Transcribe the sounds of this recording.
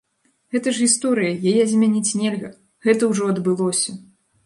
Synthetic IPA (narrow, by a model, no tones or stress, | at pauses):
ɣɛt̪ɐʐɣʲist̪ɔɾɨjɐjajɛzʲmʲanʲit͡sʲnʲelʲɣɐ | ɣɛt̪ɐwʐɔɐd̪bɨlˠɔsʲɐ